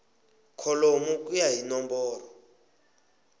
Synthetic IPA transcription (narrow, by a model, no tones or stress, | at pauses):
kʰɔlomuk̬ʼujaɦinɔmbɔːrɔ